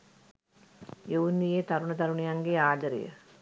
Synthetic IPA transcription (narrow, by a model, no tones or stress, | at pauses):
joʋunijeːt̪ɐɾuɳɐt̪ɐɾuɳijaŋɡeaːd͡ʒɐɾḛjə̰